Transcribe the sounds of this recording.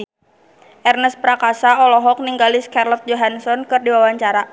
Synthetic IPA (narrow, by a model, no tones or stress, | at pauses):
ʔɛrnəspɾakasaɔlɔɦɔk̚niŋɡaliskarlɔt̪̚d͡ʒɔɦansɔnkɨrdiwawaɲt͡ʃaɾa